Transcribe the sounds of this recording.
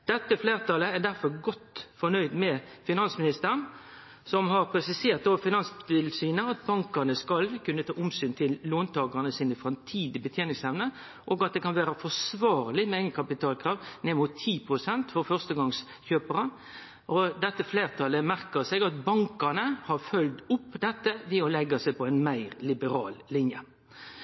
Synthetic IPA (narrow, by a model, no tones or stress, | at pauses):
d̪̥ɛt̪ːəfleːʁt̪ɑləæd̪æɾfɔɾɡɔt̪ːfɔnœʏd̪mɛfɪnɑnsmɪnɪst̪əɾən | sɔmɦɑʁpʰɾɛsɪseːʁt̪̚d̪ofɪnɑnst̪ɪlsyːnəɑt̪̚bɑŋkənəskɑlkʉnət̪ʰɑːʔʊmsyːnt̪ʰɪlːoːnt̪ʰɑːɡəʁnəsiːnəfʁɑmt̪ʰiːd̪ɪbət̪ʰjeːnɪŋsɛʋnə | ʔɔɡɑt̪̚d̪ɛkʰɑnʋæːɾəfɔsʋɑːɾlɪmɛɛŋɡənkʰɑpɪt̪ʰɑːlkʰɾɑːʋnɛmʊt̪ʰːiːpʰʁʊsɛnt̪fɔɾfœʁst̪əɡɑŋs | çøːpəɾə | ʔɔd̪ɛt̪ːəfleːʁt̪ʰɑlːəmæɾkəseːɡɑt̪bɑŋkɑnəhɑɾfœld̪ʊpːd̪ɛt̪ːəʋɪɔlɛɡːɑsæɪpʰɔɛɪnmæɪʁlɪbəɾɑ̰ːllɪnjə